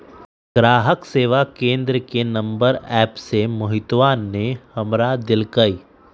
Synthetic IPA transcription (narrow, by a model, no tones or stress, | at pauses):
ɡ̥ɾaːɦəkseːʋakẽːnd̪ɾəkenɐ̃mbəɾɛːpsemʊɦɪt̪ʋaːnːehɐmɾad̪ɪlkəi